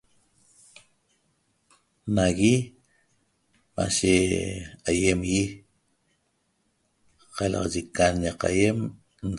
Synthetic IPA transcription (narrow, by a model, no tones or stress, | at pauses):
naɣi | ma̰ʃe | ajemji | qalɑ̰ʁɑʒikanaqa̰jem | n